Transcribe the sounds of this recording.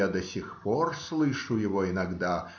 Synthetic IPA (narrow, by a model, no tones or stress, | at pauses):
ad̪ɐsʲixpɔrslˠɨʂujɪvɔinaɡd̪a